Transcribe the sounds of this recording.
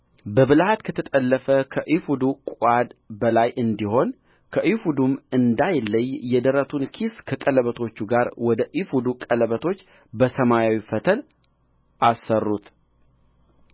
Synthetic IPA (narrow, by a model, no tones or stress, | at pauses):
bəβɨlhat̪kʰət̪ʰət̪ʼəlːəfəkʰəʔifud̪ukʼad̪bəlajʔɨnd̪iho̞n | kʰəʔifud̪umɨnd̪ajlːəjːɛd̪əɾət̪ʰunkʰiskʰəkʼələβət̪ʰo̞t͡ʃːuɡaɾwɔd̪əʔifud̪ukʼələβət̪ʰo̞t͡ʃː | bəsəmajawifət̪ʰəl | ʔasːərːut̪